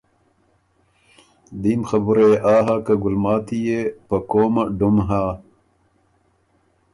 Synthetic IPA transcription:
d̪iːmxɐbuɾɐjeʔaːɦakɐɡulmaːt̪ʰijepɐkoːmaɖumɦaː

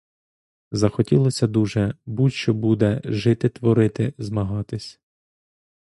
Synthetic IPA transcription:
zɐxɔtʲilˠɔsʲɐd̪uʒɛbutʲʃt͡ʃɔbud̪ɛʒɪt̪ɪt̪ʋɔɾɪt̪ɪzmɐɦɑt̪ɪsʲ

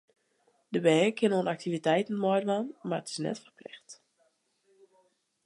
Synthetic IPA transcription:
d̥əbɛkʰɪnoːnak̚tivitɛjtn̩mɔjdʋanmarətɪ̥snɛ̰tfərpʰlɪxt

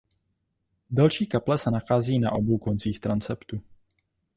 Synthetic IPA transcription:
dalʃiːkaplɛsɛnaxaːziːna̰ʔo̞bo̞wko̞nt͡siːxt̪ɾant͡sɛpt̪u

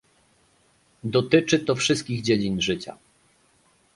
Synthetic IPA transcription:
d̪ɔt̪ɘt͡ʂɘt̪ɔfʂɘst̪̚kʲiɣd͡ʑed͡ʑinʐɘt͡ɕa̰

